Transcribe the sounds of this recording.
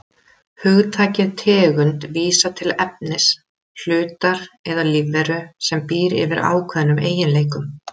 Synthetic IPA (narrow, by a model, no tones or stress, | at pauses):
hʏɣt̪ʰaːcɪðt̪ʰɛːɣʏnt̪viːsat̪ʰɪlɛp̚nɪs | l̥ʏːt̪aɾ̥ɛðalivːɛɾʏsɛmpiːɾɪ̰vɪɾa̰ːwkʰvɛːðnʏmeːjɪnleːjkʏm